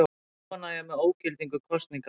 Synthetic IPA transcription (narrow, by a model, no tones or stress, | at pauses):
anajamɛðoːwcɪlt̪iŋkʏkʰɔst̪niŋk